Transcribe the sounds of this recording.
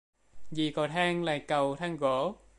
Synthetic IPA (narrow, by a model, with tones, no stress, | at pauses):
zi˨˩kɔ˨˩t̪ʰaː˧ŋla̰ː˨jkə˨˩wt̪ʰaː˧ŋɣo˧˥˦